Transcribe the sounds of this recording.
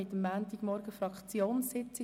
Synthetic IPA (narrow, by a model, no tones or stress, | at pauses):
ɪt̪əmːæːnt̪iɡ̥mɔɾɡ̥əfɾɑkχt͡sjoːnsɪt͡sɪ